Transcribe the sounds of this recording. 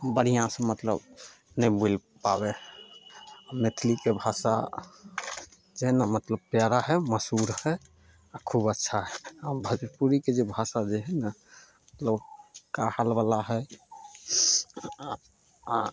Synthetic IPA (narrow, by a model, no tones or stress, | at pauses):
bəɽ̤ijãsə̃mət̪lə̰b | nɛĩbul | pabe | amet̪ʰlikebʱasa̰ | d͡ʒeɦnamət̪ləb̚pjaɾaɦɛməsuɾhɛ | akʰubətːʃʰaɦɛabʱəd͡ʒipuɾiked͡ʒebʱasad͡ʒeɦɛnamət̪ləbkahalbalaɦɛ